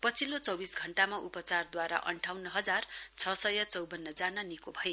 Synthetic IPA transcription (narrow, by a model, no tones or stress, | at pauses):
pʌt͡sʰilot͡sʌwbisɡʱʌɳʈamaʔupʌt͡sard̪waɾa̰ʔʌ̰ɳʈʰawnʌɦʌd͡zart͡sʰʌsʌjʌt͡sʌwbʌnːʌd͡zanʌnikobʱʌje